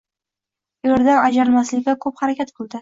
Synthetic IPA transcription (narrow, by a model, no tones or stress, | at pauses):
ʊjaɾd̪anad͡ʒaɾɪlmaslɪkʲakʰɵphaɾakʲat̪qʰɨlˠd̪ɪ